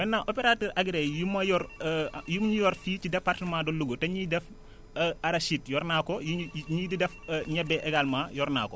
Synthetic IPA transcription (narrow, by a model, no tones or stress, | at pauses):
bɛnːaːʔopeɾatɛːɾʔaɡɾɛjumɐjɔɾjumɲujɔɾfiːt͡ʃidɛpːartəmaːdɔlːuɡotɛɲidɛf | aɾaʃitjɔɾnaːkɔjiɲididɛfɲɛbɛʔɛɡalmaːjɔɾna̰ːkɔ